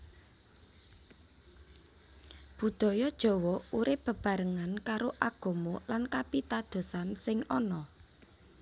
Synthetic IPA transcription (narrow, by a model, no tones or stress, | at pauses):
b̥ṳd̪̥ɔ̤jɔd̥ʒ̥ɔ̤wɔuɾɪp̚ːə̤b̥a̤ɾəŋankaɾoʔaɡ̥ɔ̤molankapit̪ad̪̥o̤sansɪŋɔnɔ